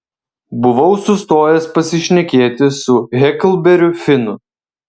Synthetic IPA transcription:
bʊʋɐʊsʊst̪oːjɛspɐsʲɪʃʲnʲɛkʲeːt̪ʲɪsʊɣʲɛklˠbʲɛɾʲʊfʲɪnʊ

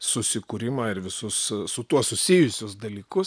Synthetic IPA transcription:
sʊsʲɪkuːɾʲɪmɐːɪɾʋʲɪsʊssʊt̪uɔssʊsʲijʊsʲʊsd̪ɐlʲiːkʊs

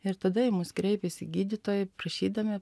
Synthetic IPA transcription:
ɪɾt̪ɐd̪ɐjɪmʊskɾʲɛɪpʲesʲɪɡʲiːd̪ʲɪt̪oːjɛpɾɐʃʲiːd̪ɐmʲɪ

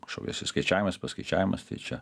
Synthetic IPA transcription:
ʃo̰kʲːsʲɪskɐɪt͡ʃʲæːʋʲɪmɐspɐskɐɪt͡ʃʲæːʋʲɪmɐst̪ɐɪt͡ʃʲɛ

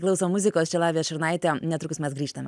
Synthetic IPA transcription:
klˠʊsoːmʊzʲɪkoːst͡ʃʲɛlˠɑːʋʲijɛʃʲɪɾnɐɪt̪ʲɛnʲɛt̪ɾʊkʊsmʲɛsɡɾʲiːʃt̪ɐmʲɛ

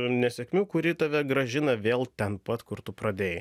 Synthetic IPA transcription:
nʲɛsʲɛkmʲuːkʊɾʲiːt̪ɐʋʲɛɡɾɐʒʲɪnɐʋʲeːlˠt̪ʲɛnpɐt̪kʊɾt̪ʊpɾɐd̪ʲeːjɪ

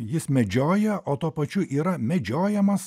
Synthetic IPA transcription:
jɪsmʲɛd͡ʒʲoːjɛʔoːt̪uːɔpɐt͡ʃʲʊʔiːɾɐmʲɛd͡ʒʲoːjɛmɐs

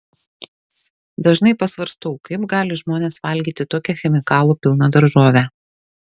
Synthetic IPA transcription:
d̪ɐʒnɐɪpɐsʋɐɾst̪oʊkɐɪbɡɑːlʲɪʒmoːnʲeːsʋɐlʲɡʲiːt̪ʲɪt̪oːkʲɛxʲɛmʲɪkɑːlˠuːpʲɪlˠnɐd̪ɐɾʒoːʋʲɛ

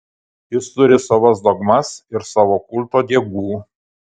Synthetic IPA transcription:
jɪst̪ʊɾʲɪsɑːʋɐsd̪oɡmɐsɪɾsɑːʋoːkʊlʲˠˑt̪oːd̪ʲiɛɡuː

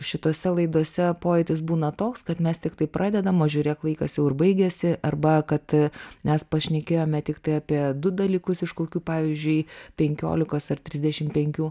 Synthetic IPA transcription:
ʃʲɪt̪oːsʲɛlˠɐɪd̪oɔsʲɛpoːjɛɪt̪ʲɪs̬buːnɐt̪oːkskɐt̪mʲɛst̪ʲɪkt̪ɐɪpɾʔɑːd̪ʲɛd̪ɐmoːʒʲuːɾʲeːklˠɐɪkɐsjɛʊɪrbɐɪɡʲɛːsʲɪʔɐrbɐkɐt̪mʲɛspɐʃʲnʲɛkʲeːjoːmʲɛt̪ʲɪkt̪ɐɪɑːpʲiɛd̪ʊd̪ɐlʲiːkʊsɪʃkoːkʲuːpɑːʋʲiːzʲd͡ʒʲʊɪpʲɛŋʲkʲo̰ːlʲɪkoːsɐrt̪ʲɾʲɪzd̪ʲɛʃʲɪmpʲɛŋʲkʲuː

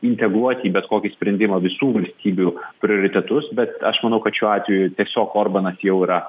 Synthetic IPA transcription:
ɪnʲt̪ʲɛɡɾuɔt̪ʲiːbʲɛt̪koːkʲɪsʲpʲɾʲɛnʲd̪ʲɪmɐʋʲɪsuːʋɐlʲsʲt̪ʲiːbʲupʲɾʲɪoːɾʲɪt̪ʲɛt̪ʊsbʲɛt̪ɐʃmɐnɐʊkɐt̪ʃʲuːɑːt̪ʲʋʲɛjʊt̪ʲiɛsʲoːkoːrbɐnɐsjɛʊiɾɐ

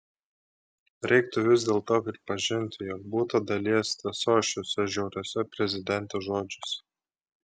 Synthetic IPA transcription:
ɾʲɛɪk̚t̪ʊʋʲɪzʲd̪ʲeːlˠt̪oːpʲɾʲɪpɐʒʲɪnʲt̪ʲɪjɔːk̚buːt̪ɐd̪ɐlʲiɛsʲt̪ʲɛsoːʃʲoːsʲɛʒʲɛʊɾʲoːsʲɛpʲɾʲɛzʲɪd̪ʲɛnʲt̪oːʒoːd͡ʒʲʊsʲ

